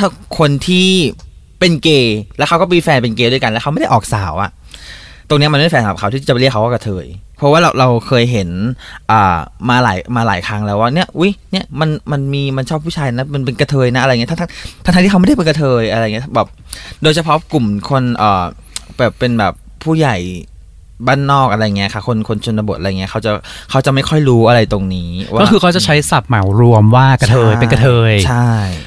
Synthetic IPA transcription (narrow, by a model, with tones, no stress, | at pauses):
t̪ʰa˥˩kʰo˧nt̪ʰiː˥˩ | pe˧nkeː˧lɛː˧˦˥wkʰa˦˥wkɔː˥˩miː˧fɛː˧npe˧nkeː˧du˧əjka˧nlɛ˦˥kʰa˦wma˥˩da˥˩ʔɔː˨˩k̚saː˨˩˦wʔa̰˨˩ʔ | t̪o˧ŋni˦˥ma˧nma˥˩˥ɛː˧sa˧˨˩kʰa˧˥wt̪iː˥˩a˨˩˦ɾi˥˩əkʰːa˦wkːɔː˥˩ka˧t̪ʰɤː˧jpʰɔ˦˥waː˥˩˧ɾa˧wkʰɤː˧jɦe˩˦nʔɤː˨˩maː˧la̰ː˩˦jmaː˧laː˩˦jkʰa˦˥ŋlɛː˦˥waː˥˩ni˦˥ɐʔʔu˦˥jni˥˩ɐma˧nma˧nmiː˧ma˧nt͡ɕʰɔː˥˩pʰːuː˥˩t͡ɕʰaː˧jna˦˥ma˧np̬e˧nka˧t̪ʰɤː˧jna˦˥a˧a˧ji˦˥tʰa˥˧t̪ʰa˧t̪ʰa˥t̪ʰa˧t̪iː˥˩a˦wm˥˩da˥˩pe˧nka˧t̪ʰɤː˧jʔa˧ɾa˧jŋi˦˥˩bɛː˨˩p̚doː˧jt͡ɕʰa˧pʰɔ˦˥ku˨˩mkʰo˧nʔəː˨˩ | bɛː˨˩pːe˧nbɛː˨˩pʰːuː˥˩ja˨˩j | baː˥˩nːɔː˥˩k̚ʔa˧ɾa˧jːŋi˦˥ɐ˩kʰa˥˩kʰo˧nkʰo˧nt͡ɕʰo˧na˧bo˨˩t̪ʔa˧jŋi˦˥ɐkʰa˦˥wt͡ɕa˨˩kʰa˦˥wt͡ɕa˨˩ʔma˥˩jkʰɔ˥˩jɾuː˦˥ʔa˧ɾa˧jt̪o˧ŋniː˦˥waːɔː˥˩kʰɯː˧kʰa˦˥t͡ɕa˨˩t͡ɕʰa˦˥jsa˨˩p̚ma˩˦wɾu˧əmwaː˥˩ka˧t̪ʰɤː˧jpe˧ka˧t̪ʰɤː˧jt͡ɕʰa˥˩jj